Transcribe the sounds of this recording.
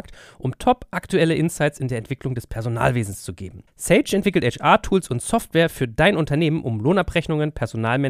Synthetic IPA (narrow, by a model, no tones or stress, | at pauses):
k̚tʔʊmtʰɔpʔaktʰuɛləʔɪnsaɪt͡sɪndeːɐɛntv̥ɪklʊŋdɛspʰɛɐzona̰ːlveːzn̩st͡suɡḛːbm̩ | sɛɪt͡ʃɛntv̥ɪkl̩tɛt͡ʃʔaːtʰuːlsʊntsɔftv̥ɛːɐfyːɐdaɪnʔʊntɐneːmənʔʊ̰mloːnapʁɛçnʊŋənpʰɛɐzonaːlmɛ